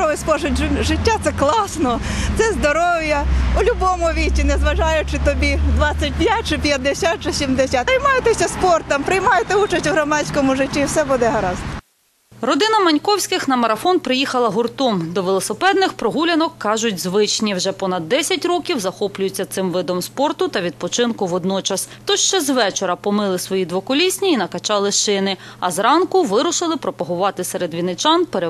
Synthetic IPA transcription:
ɔʋɪspɔʒʊtʲʒɪtʲːat̪sɛklˠɑsnɔt̪sɛzd̪ɔɾɔʋjɐʊlʲʊbɔmʊʋʲitʲinɛzʋɐʒɑjʊt͡ʃɪt̪ɔbʲid̪ʋɑt͡sʲːɐt̚ʲdʲjnʲat͡ʃɪpʲjɐd̪ːesʲat̚t͡ʃɪsʲimd̪esʲaɐjmɑjɪt̪esʲɐspɔrt̪ɐmpɾɪjmɑjɪt̪ɛut͡ʃɐsʲtʲuɦɾɔmɑt͡sʲkɔmʊʒɪtʲːiwsɛbud̪ɛɦɐɾɑzt̪ɔ | rɔd̪ɪnɐmɐnʲkɔwsʲkɪxnɐmɐɾɐfɔnpɾɪjixɐlˠɐɦʊrt̪ɔmd̪ɔʋelˠɔsepɛd̪nɪxpɾɔɦulʲɐnɔkːɑʒʊtʲzʋɪt͡ʃnʲiwʒɛpɔnɐd̪ːɛsʲɐtʲrɔkʲiwzɐxɔplʲʊjʊt͡sʲːɐt̪sɪmʋɪd̪ɔmspɔrt̪ʊt̪ɐʋʲid̪̚pɔt͡ʃɪnkʊʋɔd̪nɔt͡ʃɐst̪ɔʃt͡ʃɛzʋɛt͡ʃeɾɐpɔmɪlˠɪsʋɔjid̪ʋɔkɔlʲisʲnʲiːnɐkɐt͡ʃɑlˠɪʃɪnɪɐ̰zɾɑnkʊʋɪɾʊʃɪlˠɪpɾɔpɐɦʊʋɑt̪ɪseɾed̪ʋʲinɪt͡ʃɑnpeɾe

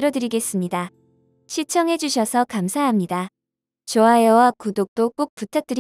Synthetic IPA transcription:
ɾʌdɯɾiɡe̞s͈ɯmɲida | ɕʰit͡ɕʰʌŋɦe̞d͡ʑuɕʰʌsʰʌkamsʰaɦamɲida | t͡ɕoajʌwakudok̚t͈ok͈ok̚p͈utʰak̚t͈ɯɾ

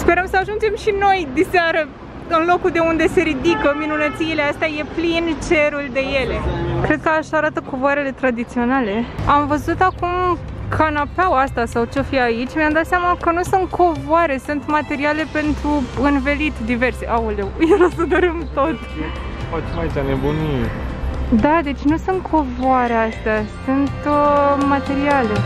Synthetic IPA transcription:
spe̞ɾəmsəaʒund͡ʒe̞mʃino̞jd̪iseaɾə | ɨnlo̞kuld̪e̞und̪e̞se̞ɾid̪ikəminunət̪siːleast̪eaje̞plint͡ʃe̞ɾuld̪e̞je̞le̞kɾe̞d̪̚kəaʃaɾat̪əkovoaɾe̞le̞t̪ɾad̪it̪sio̞nale̞amvəzut̪akum | kʰanapawast̪asawt͡ʃofiait͡ʃʲmamd̪at̪sjamakənusunt̪̚kʰo̞voaɾe̞sunt̪mat̪e̞ɾiale̞pe̞nt̪ɾuɨnve̞lit̪d̪ive̞rseʔaulejelosəd̪oɾimt̪o̞t̪ | fat͡ʃemait͡ʃʲanebuni | d̪ad̪e̞t͡ʃʲnusunt̪̚kʰo̞voaɾeast̪easunt̪mat̪e̞ɾiale̞

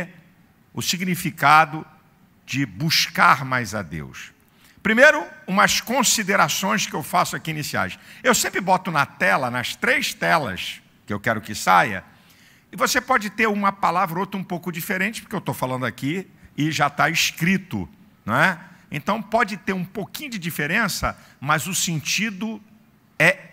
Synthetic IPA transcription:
ʊsiɡnifikad̪ʊ | d͡ʒɪbuʃkaɾmajzɐd̪ḛws | pɾimejɾʊũmɐskõsid̪eɾasõj̃skɪewfasʊakiinesia̰jʃewsẽmpɾɪbɔt̪ʊnɐt̪ɛlɐnɐst̪ɾejʃt̪ɛlɐ̰s | kɪewkɛɾʊkɪsajɐ̰ | ɪvosepɔd͡ʒɪt̪eɾũmɐpalavɾɐowt̪ɾɐũpowkʊd͡ʒifeɾẽnt͡ʃɪ̥pʊ̥ɾkeewt̪owfalɐ̃nd̪ʊaki | ɪʒat̪aiskɾit̪ʊ̰ | ñɛḛ̃nt̪ɐ̃w̃pɔd͡ʒɪt̪eɾũpokĩɲʊd͡ʒɪd͡ʒifeɾẽsɐ̰ | mɐzʊsẽnt͡ʃid̪ʊ | ɛ

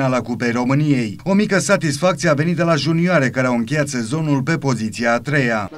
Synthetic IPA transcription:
alakupejɾo̞mɨnije̞jo̞mikəsat̪isfak̚t̪sije̞ave̞nit̪d̪elaʒunioaɾe̞kaɾe̞awɨŋkʲe̞jat̪se̞zo̞nulpe̞po̞zit̪siaːt̪ɾe̞ja

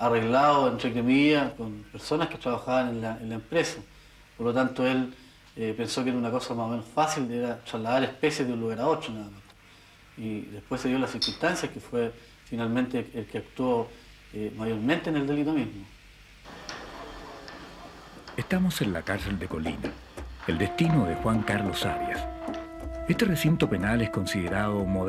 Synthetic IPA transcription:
areɣlaoentɾekemiakonpe̞ɾso̞nahketɾaβaxaβanenlaenlaempɾesa | poɾlot̪ant̪oel | epenso̞keeɾaunakosamaomenosfasileɾatɾazlaðaɾehpe̞sjeðeũnluɣaɾaotɾonaðamant̪o̥ | iðe̞hpwesːeðjolasiɾkunt̪ansjakefwe | finalment̪eːlkeakt̪wo | emajoɾmẽ̞nt̪eːneld̪e̞lit̪o̞mizmo | est̪amosenlakaɾseld̪eko̞lḭna̰ | eld̪est̪inoðexwaŋkaɾlosaβja̰s | est̪eresint̪openaleskonsiðeɾaðomoð

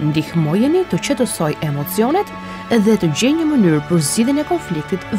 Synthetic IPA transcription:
nd̪ihmɔjɛnit̪ət͡ɕət̪əsɔjʔɛmɔt͡siɔnɛt̪ | ðɛt̪əd͡ʑɛɲəmənyɾpəɾzd͡ʑiðinɛkɔnflik̚t̪it̪

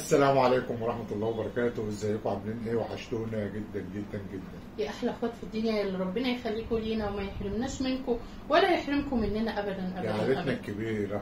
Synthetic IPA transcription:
ʔæsːælæːmʕaleːkomwɑɾˤɑħmæt̪ɑlˤːɑːhwebɑɾˤɑkæːt̪owʔezːæjːekoʕamlinːiweħaʃt̪oːnæɡed̪ːænɡed̪ːænɡed̪ːænjæʔaħlæʔæxwæːt̪fid̪ːunjæelːiɾˤɑbːenæjexælːiːkoliːnæwemæjeħɾemnæːʃmenko | wælæjeħɾemkomenːenæʔæbæd̪ænʔæʕaɾenækːebiːɾæ

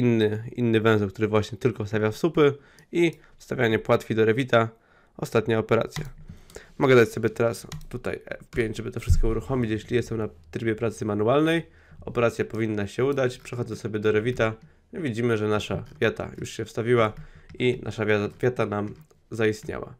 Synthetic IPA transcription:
inːɘḭnːɘvɛ̃w̃zɛlk̚t̪uɾɘvwaɕɲɛt̪ɘlkɔfst̪avʲjafsupɘ | i | fst̪avjaɲɛpwat̪kʲid̪ɔɾɛvʲit̪a | ɔst̪at̪ɲaɔpɛɾa̰t̪sʲja̰mɔɡɛd̪at͡ɕsɔbʲjɛt̪ɛɾast̪ut̪a̰jfpʲjeɲd͡ʑʐɛbɘt̪ɔfʂɘst̪̚kɔuɾuxɔmʲit͡ɕjɛɕlʲijɛst̪ɛmnat̪ɾɘbʲjɛpɾat̪sɘmanualnɛj | ɔpɛɾat̪sʲjapɔvʲinːaɕɛud̪at͡ɕpʂɛxɔd̪zɛsɔbʲɛd̪ɔɾɛvʲit̪a | vʲid͡ʑimɘʐɛnaʂavʲjat̪a̰jṵʂɕɛfst̪avʲiwainʔa̰ʂavʲjat̪anam | zaist̪ɲa̰wa̰

